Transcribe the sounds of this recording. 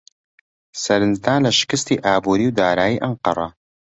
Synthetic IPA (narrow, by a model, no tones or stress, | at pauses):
sɐɾɨnzd̪aːnlɐʃɪ̥kɨst̪iːʔaːbuːɾiːwd̪aːɾaːjiʔɐɴqɑ̰ɾˤɑ